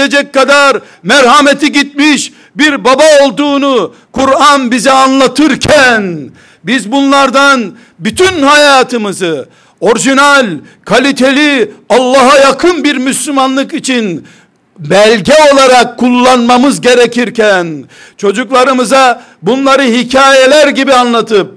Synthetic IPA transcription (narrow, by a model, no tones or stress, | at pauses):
ed͡ʒɛc̚kːad̪aɾ | mæɾhamet̪ʰiɟit̪̚miʃ | biɾbabaolˠd̪uːnu | kuɾanbizɛanlˠat̪ʰɯɾcʰæn | bizbunlˠaɾd̪an | byt̪ʰynhajaːt̪ʰɯmɯzɯ | o̞ɾʒinalʲ | kʰalʲit̪ʰelʲiɑlˠːɑɦajakʰɯnbiɾmyslʲymanlˠɯkit͡ʃʰin | bælʲɟɛo̞lˠaɾakʰːulˠːanmamɯzɟe̞ɾɛcʰiɾcʰænt͡ʃʰo̞d͡ʒuklˠaɾɯmɯza | bunlˠaɾɯɦicʰaːjelʲæɾɟibianlˠat̪ʰɯp̚